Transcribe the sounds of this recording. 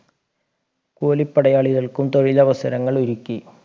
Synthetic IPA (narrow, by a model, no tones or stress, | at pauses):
kuːlipːɐɽɐjaːɭiɣɐɭkumt̪oɻilɐʋɐsɐɾɐŋːɐɭuɾukʲːi